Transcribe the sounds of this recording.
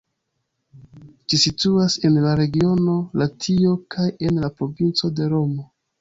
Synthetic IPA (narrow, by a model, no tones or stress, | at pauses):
d͡ʒisituase̞nlaɾe̞ɡio̞no̞latʰio̞kʰaje̞nlapɾo̞vint͡so̞de̞ɾo̞mo̞